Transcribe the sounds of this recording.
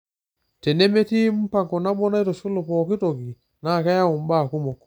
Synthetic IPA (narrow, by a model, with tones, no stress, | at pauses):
te˨ne˦me˦ti˦m̩˦pa˨ŋkɔ˨na˦bɔ˦na˦jto˨su˦lu˨pɔ˨ki˦to˨ɡi˨ | na˦˨ka˦ja˦u˨m˦ba˦˨ku˦mɔ˨k